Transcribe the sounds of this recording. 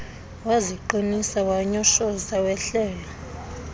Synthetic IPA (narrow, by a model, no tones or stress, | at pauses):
waziǃinisawaɲɔʃɔsawɛɬɛːlɔ